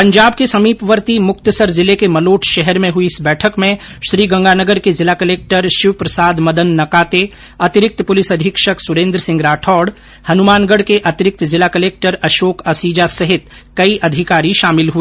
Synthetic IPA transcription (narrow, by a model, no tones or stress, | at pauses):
pɐ̃ɲd͡ʒaːb̚kesɐmiːpʋəɾt̪imʊkt̪əsəɾzɪlekemɐloːʈʰʃɛɦɛɾmẽɦʊiɪsbɛːʈʰəkmẽ | ʃɾiːɡɐ̃ŋɡʱaːnəɡəɾkezɪlaːkɐleːk̚ʈəɾʃɪʋpɾɐsaːd̪mɐd̪ənːɐkaːt̪e | ɐt̪ɪɾɪk̚t̪pʊlɪsɐd̪ʱɪkʃəksʊɾẽːnd̪ɾəsɪ̃ŋɡɾaːʈʰɔːɽ | hɐnʊmaːnɡəɽkeʔɐt̪ɪɾɪk̚t̪zɪlakɐleːk̚ʈəɾɐʃoːkɐsiːd͡ʒasɐɦɪt̪ | kɐiʔɐd̪ʱɪkaːɾiʃaːmɪlɦui